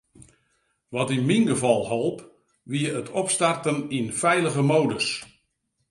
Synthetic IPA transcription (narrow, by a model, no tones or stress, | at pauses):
ʋɔtinminɡəvɑlˠholˠp | ʋiəətʰɔpstartəninfɛjləɣəmowdəs